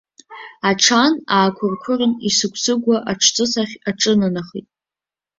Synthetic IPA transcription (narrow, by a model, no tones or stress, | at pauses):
aʈ͡ʂʰanaːkʷʰʊrkʷʰʊrɨnisɨkʷʰsɨɡʷaʔaʈ͡ʂʰt͡sʼɨsaχʲaʈ͡ʂʼɨnanaχḭtʼ